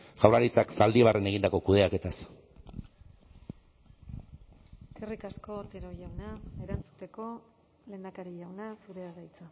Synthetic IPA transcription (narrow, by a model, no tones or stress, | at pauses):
ʝawraɾit͡saksald̪iβ̞are̞ne̞ɣ̞ind̪ako̞kuð̞e̞ake̞t̪as | kerikasko̞t̪eɾo̞ʝawnaeɾant͡su̥t̪e̞ko̞ | le̞ːnd̪akaɾiʝawnasuɾe̞aɣajt͡sa